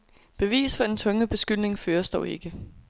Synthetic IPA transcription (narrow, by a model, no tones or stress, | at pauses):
b̥e̝ʋḭːsfɒ̽d̥ent͡sʰɔ̽ŋəb̥e̝sɡ̥yl̰ne̝ŋføːɐsd̥ɒʊe̝ɡ̥ə